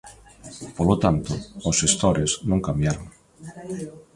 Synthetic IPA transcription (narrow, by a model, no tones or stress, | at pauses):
polot̪ant̪oosʃest̪oɾesnõŋkambjaɾoŋ